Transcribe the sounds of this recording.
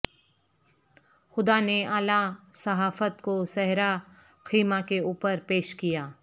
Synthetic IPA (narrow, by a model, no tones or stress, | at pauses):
xʊd̪aneʔaːlasɐɦaːfət̪kosɛɦɾa | xiːmakeuːpəɾpeːʃkijaː